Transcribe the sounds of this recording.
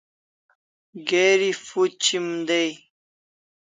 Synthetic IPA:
ɡeɾifut͡ɕʰimd̪ej

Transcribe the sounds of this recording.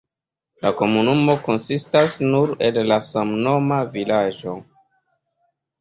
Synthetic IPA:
lako̞munumo̞ko̞nsistasnuɾellasamno̞mavilad͡ʒo̞

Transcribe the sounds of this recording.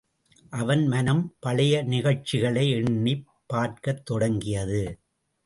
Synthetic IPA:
ʔɐʋɐnmɐnɐmpɐɭɐjɐnɪɣɐɻt͡ʃːɪɣɐɭɐɪɛɳːipːaːɾkɐt̪ːɔɽɐŋɡɪjɐðɯ

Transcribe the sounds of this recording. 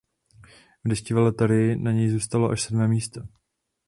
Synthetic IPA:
vdɛʃcɪvɛlɛt̪aɾɪɪnaɲɛjzuːst̪aloʔa̰ʃsɛdmɛːmiːst̪a

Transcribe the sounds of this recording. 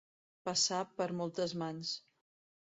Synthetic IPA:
pəsapəɾmɔlˠt̪əzmans

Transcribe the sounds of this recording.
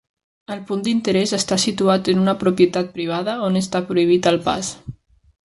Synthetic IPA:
əlpund̪int̪əɾɛzəst̪asit̪uat̪ənunɐpɾupjət̪at̪̚pɾiβ̞aðəonəst̪apɾuiβ̞it̪əlˠpa̰s

